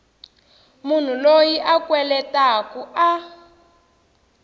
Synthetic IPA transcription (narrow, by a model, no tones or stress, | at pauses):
mun̤ulojiʔakwɛlɛtakuʔa